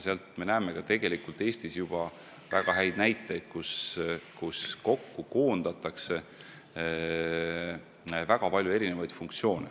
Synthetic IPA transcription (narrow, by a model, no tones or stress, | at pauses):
seɑlt̪me̞næːme̞ɡ̥ɑt̪e̞ɡ̥e̞likult̪eːst̪isjub̥ɑ | væɡ̥ɑɦæjd̪̥næjt̪ːˑejd̪̥kuskusko̞kːuko̞ːnd̪̥ɑt̪ːˑɑkse̞ | væɡ̥ɑpɑlʲjue̞ɾinevɑjd̪̥fuŋkt̪sio̞ːne